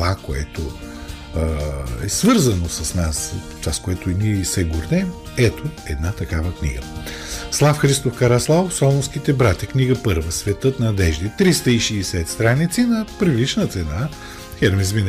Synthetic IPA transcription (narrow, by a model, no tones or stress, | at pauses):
akoɛ̰t̪o | ɛsvɤɾzɐnosɐsnas | t͡ʃaskoɛt̪ʊiniɛisɛɡʊɾnɛm | ɛt̪oɛd̪nat̪ɐkavəknḭɡə̰slˠafxɾist̪ofkɐɾaslˠavofsɔlˠosk̟it̪ɛbɾat̪ʲɐkniɡəpɤɾvəsvɛt̪ɤt̪nɐd̪ɛʒd̪it̪ɾist̪əiʃiːsɛt̪st̪ɾanit̪sinɐpɾivit͡ʃnət̪sɛna | xɛɾmizvin